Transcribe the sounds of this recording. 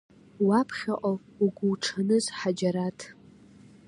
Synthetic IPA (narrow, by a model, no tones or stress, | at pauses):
wapʰχʲaʔʼauɡʷʊwʈ͡ʂʰanɨzħad͡ʒaɾatʰ